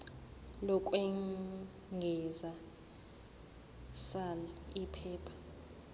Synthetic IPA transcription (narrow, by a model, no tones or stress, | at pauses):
lɔkʼwɛ | ŋɡʱɛza | salipʰɛːpʰḁ